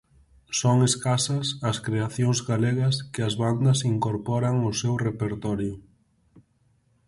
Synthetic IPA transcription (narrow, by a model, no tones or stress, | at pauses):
sɔŋeskasɐsɐskɾeaθjoŋzɣaleɣɐskɪɐzβand̪ɐsiŋkoɾpɔɾaŋʊsewrepeɾt̪ɔɾjʊ